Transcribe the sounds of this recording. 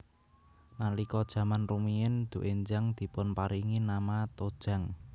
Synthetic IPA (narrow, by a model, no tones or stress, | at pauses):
nalikɔd̥ʒ̥ä̤manrumiɪnd̪̥ṳʔeɲd͡ʒaŋd̪̥i̤pʊnpaɾiŋinamat̪od̥ʒ̥a̤ŋ